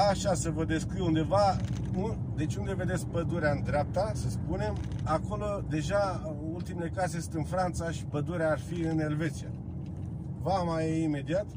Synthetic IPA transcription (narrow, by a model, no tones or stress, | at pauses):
aʃasəvəd̪e̞skijund̪e̞vaud̪e̞t͡ʃʲund̪e̞ve̞d̪esk̚pəd̪uɾeaɨnd̪ɾeap̚t̪asəspune̞m | ako̞lo̞d̪e̞ʒa | ult̪imelekazejesɨ̥t̪ɨnfɾant̪saʃi̥pəd̪uɾeaːrfiɨne̞lve̞t̪sija | vamajeime̞d̪iat̪